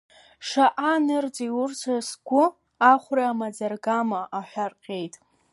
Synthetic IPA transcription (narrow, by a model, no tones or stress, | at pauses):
ʂaʔanɨrd͡ziwʊrt͡sʷʰasɡʷʊ | aχʷraamad͡zarɡamaʔaħʷᶣarqʲʼejtʼ